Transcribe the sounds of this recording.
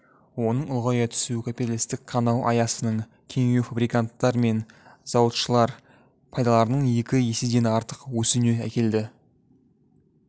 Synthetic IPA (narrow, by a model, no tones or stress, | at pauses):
wo̞nəɴʊlˠʁɑjɑt̪ʰʏ̥sukʲʰapʲit̪alʲist̪ɪkʲkʰɑnɑwʔɑ̰jɑsənəɴ | kʲʰe̞ŋe̞wfabɾijkant̪ːɑɾme̞nz̥ɑwət̪ʃəlˠɑɾ | pʰɑjd̪ɑlˠɑɾənəɴje̞kʲɪje̞sɪd̪e̞nɑɾt̪əqwɵsɪne̞ækʲe̞ld̪ɪ